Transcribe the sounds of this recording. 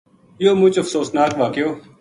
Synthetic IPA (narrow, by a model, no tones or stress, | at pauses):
joːmʊt͡ʃəfsoːsnaːkʋaːkɪjoː